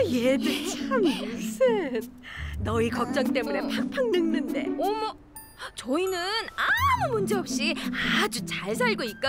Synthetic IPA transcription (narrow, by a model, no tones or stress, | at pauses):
jeded͡ʑanusʰɯnːʌikʌk̚t͡ɕ͈ʌŋt͈e̞mune̞pʰak̚pʰaŋnɯŋnɯnde̞omʌ | t͡ɕoinɯnamumund͡ʑe̞ɦʌp̚ɕ͈iad͡ʑut͡ɕaɭs̬ʰaɭɡoit̚k͈a